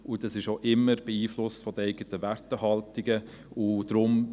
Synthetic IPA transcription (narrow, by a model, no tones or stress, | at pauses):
ʊd̥ɑsɪʃoʔɪmːəɾb̥ɛiːflʊstfɔd̥̪əɛɪɡətəʋærtəɦɑltiɡə | ʊd̥ɾʊm